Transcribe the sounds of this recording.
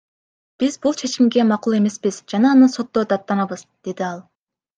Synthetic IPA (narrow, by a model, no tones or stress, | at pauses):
b̥izbulˠt͡ʃʰe̞t͡ʃimɡe̞mɑqulˠe̞me̞spiz̥d͡ʒɑnɑːnɯso̞t̪ːo̞d̪ɑt̪ːɑnɑβɯzd̪̥e̞d̪iɑlˠ